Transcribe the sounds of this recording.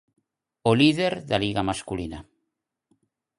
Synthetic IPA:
oliðeɾðaliɣamaskulina

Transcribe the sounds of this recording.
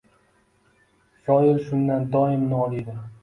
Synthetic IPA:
sɒjɪlʃʊnd̪and̪ɒɪmnɒlid̪ɪ

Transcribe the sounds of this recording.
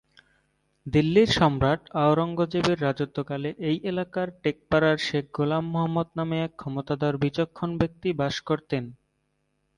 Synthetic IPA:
d̪ilːiɾʃɔmɾaʈaoɾɔŋɡod͡ʑebeɾːad͡ʑot̪ːokaleʔejʔelakaɾʈek̚paɾaɾʃek̚ʰɡolamːoɦɔmːod̪nameɛkʰːɔmot̪ad̪ɔɾbit͡ɕokʰːonbek̚t̪ibaʃkoɾt̪en

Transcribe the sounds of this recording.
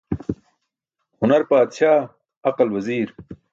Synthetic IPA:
hʊnɐɾpaːd̪ʃaː | ɐqɐlwɐziːɾ

